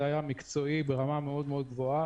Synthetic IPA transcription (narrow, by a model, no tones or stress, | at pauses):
ajamikt͡so̞ibe̞ʁamameo̞d̪meo̞d̪̚ɡvo̞a